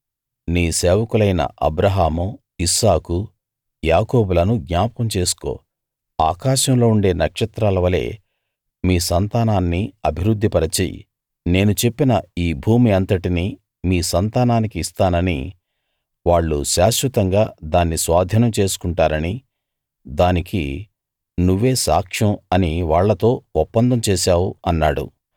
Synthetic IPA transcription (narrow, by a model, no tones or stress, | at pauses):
niːseːʋɐkulɐjnɐ̰ʔɐ̰bɾɐɦaːmu | isaːku | jaːkoːbulɐnuɡɲaːpɐmt͡ʃe̞ːsu̥ko̞̰ː | a̰ːkaːʃɐmlo̞ːuɳɖe̞ːnɐkʂɐt̪ɾaːlɐʋɐle̞̰ː | miːsɐnt̪aːnaːnːiɐbʱiɾud̪ʱːipɐɾɐt͡ʃḛːjḭ | ne̞ːnut͡ʃe̞pːinɐiːbʱuːmiɐnt̪ɐʈini | miːsɐnt̪aːnaːnikiːst̪aːnɐnḭ | ʋaːɭːuʃaːʃʋɐt̪ɐŋɡaːd̪aːnːisʋaːd̪ʱinɐmt͡ʃe̞ːsu̥kuɳʈaːɾɐni | d̪aːnikḭ | nuʋːe̞ːsa̰ːkʂɐmɐniʋaːɭːɐt̪o̞ːɔpːɐnd̪ɐmt͡ʃeːʃaːwuɐnːaːɽṵ